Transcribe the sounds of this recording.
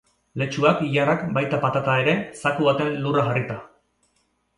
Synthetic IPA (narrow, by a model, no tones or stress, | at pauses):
le̞t͡ʃuakiʝarakbajt̪apat̪at̪ae̞ɾe̞sakuβat̪e̞nluraɣarit̪a